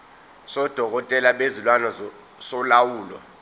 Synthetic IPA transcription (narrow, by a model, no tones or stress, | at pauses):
sɔd̥ʱɔk̬ɔtʼɛlaɓezilwanɔ | sɔlawuːlɔ̰